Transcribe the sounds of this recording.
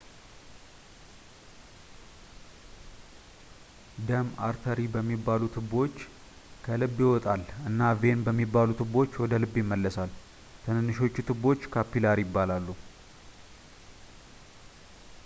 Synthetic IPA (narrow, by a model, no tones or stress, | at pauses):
d̪əma̰ɾt̪ʰəɾibəmːibːalut̪ʰɨbo̞t͡ʃː | kʰəlɨbːjɪwɔt̪ʼalɨnːave̞nbəmːibːalut̪ʰɨbo̞t͡ʃːwɔd̪əlɨbːjɪmːəlːəsal | t̪ʰɨnɨnːɨʃo̞t͡ʃːut̪ʰɨbo̞t͡ʃːkʰapːilaɾjɪbːalalːu